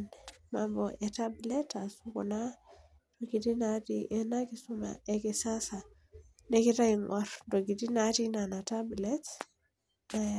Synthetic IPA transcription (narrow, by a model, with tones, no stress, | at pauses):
nmambɔʔɛtablɛtasukɔ̰˨na | toɡi˨di˦natiʔɛ˦na˦ki˦su˦ma̰ɛkisa˦sa˨ | nɛ˦ki˦ɾa˦iŋwʔaɾdo˨ɡi˨di˦na˦ti˦na˨na˨tablɛt | na